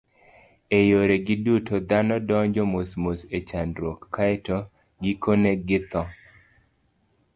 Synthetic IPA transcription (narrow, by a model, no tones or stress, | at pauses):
ejoɾeɡɪdutʰod̪anɔdɔɲd͡ʒɔmosmoset͡ʃandɾokːaɛto | ɡikoneɡɪt̪ɔ